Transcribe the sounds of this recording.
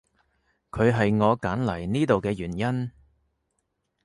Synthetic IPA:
kʰɵ˨˧ɥɦɐ˨jŋɔː˨˧kaː˨˥nlɐ˨˩jniː˥t̪o˨wkɛː˧jyː˨˩njɐ˥n

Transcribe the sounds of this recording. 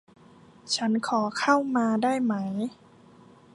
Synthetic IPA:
t͡ɕʰa˦˥nkʰɔː˩˦kʰa˥˩wmaː˧daː˥˩jma˦˥j

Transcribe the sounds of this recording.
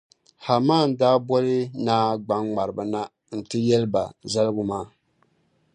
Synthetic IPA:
ha˨maː˦˨n˨daː˦bɔ˦lɨ˦naː˦ɡ͡ba˨˦ŋŋ͡ma˨ɾɨ˨ba˨na˦ | n̩˨tɨ˦jɛ˦lɨ˦ba̰˨za˦lɡʊ˨maː˦˨

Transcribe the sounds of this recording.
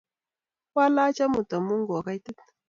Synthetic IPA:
wa˦la˦t͡ʃa˦mu˨ta˨mu˦ŋɡo˨ka˦jtə˦t̚

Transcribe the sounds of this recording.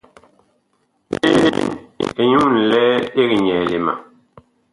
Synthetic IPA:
e˦ne˨ɲu˦ŋn̩˨lɛː˦e˦ɣi˨ɲɛ˨le˨ma̰˨

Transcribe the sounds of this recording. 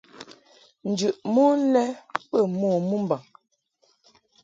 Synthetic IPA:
n̩˨d͡ʒʉ˨ʔmu˦lɛ˦pə˦˨mɔː˨mu˦m˦ba˨

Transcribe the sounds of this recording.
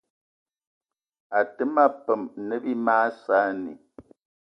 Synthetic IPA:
a˨tə˦ma˦pə˨m˨nə˦bi˦maː˦saː˦nḭ˨

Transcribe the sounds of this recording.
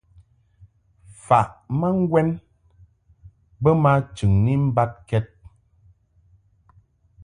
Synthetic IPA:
fa˨ʔma˦ŋ̩˦ɡwɛ˦n | bə˦ma˦t͡ʃɨ˨ŋni˦m̩˦ba˦t̚kɛ˦t̚

